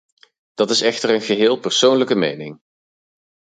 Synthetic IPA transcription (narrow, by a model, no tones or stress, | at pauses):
d̥ɑtɪsɛχtəɹənχəɦɪːlˠpəɹsownləkəmḛjnɪŋ